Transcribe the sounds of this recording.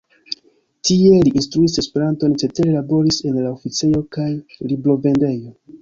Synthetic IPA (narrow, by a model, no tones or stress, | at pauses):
tie̞liʔinstɾuise̞spe̞ɾanto̞nt͡ʃe̞teɾelabo̞ɾise̞nlaofit͡sejo̞kajlibɾo̞ve̞nde̞jo̞